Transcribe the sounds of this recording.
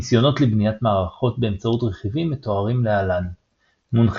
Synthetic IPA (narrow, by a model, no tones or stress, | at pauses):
isjo̞no̞tlebnijatmaːʁaχo̞t̚be̞ːmt͡sautʁeχivimeto̞aʁimlealan | munχ